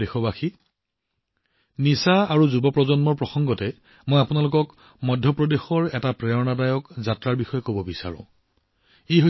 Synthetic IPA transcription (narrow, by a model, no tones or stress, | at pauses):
exɔbaxi | nisaaɹuzubɔpɹɔzɔnmɔɹpɹɔxɔŋɡɔtɛ | mojapunalʊkɔk | mɔdʱːɔpɹɔdexɔɹɛtapɹɛɔnadajɔkzatɹaɹbixɔjɔkobɔbisa̰ɹʊ̰̃ | eɦo